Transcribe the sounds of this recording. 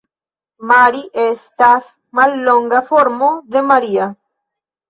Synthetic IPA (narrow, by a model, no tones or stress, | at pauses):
maɾiʔest̪aθ | malːoŋɡafoɾmoðemaɾia